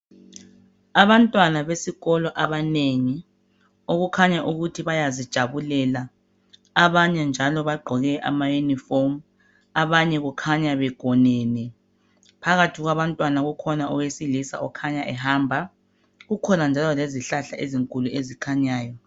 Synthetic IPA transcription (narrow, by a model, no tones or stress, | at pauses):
aβantʼwanaβesiɣɔlɔʔaβaneŋi | oɣukʰaɲaʔuɣutʰiβajazid̥ʒ̥ʱaβulɛlaː | βaɲɛnd͡ʒʱalɔβaɡ͡ǃʱɔɣɛʔa̰majunifom | aβaɲɛɣukʰaɲaβɛɡ̥ʱɔnɛnɛ | pʰaɣatʰiɣwaβantʼwanaɣukʰɔnaʔɔwesilisa̰ʔɔkʰaɲaʔɛhaːmbʱa | ɣukʰɔnand͡ʒʱalɔleziɬaɬaʔeziŋkʼuluezikʰaɲaːjɔ